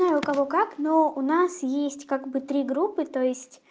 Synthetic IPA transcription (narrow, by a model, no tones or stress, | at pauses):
najʊkɐvokaknoʊnasjesʲtʲkaɡbɨt̪ɾʲiɡɾupːɨt̪ojɪsʲtʲ